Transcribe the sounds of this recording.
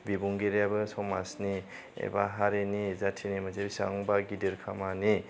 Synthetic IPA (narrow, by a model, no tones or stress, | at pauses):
bibuŋɡeɾjabɯsɔmasni | ḛba̰ɦaɾenizatʰinimazebisaŋbaɡidiɾkʰamani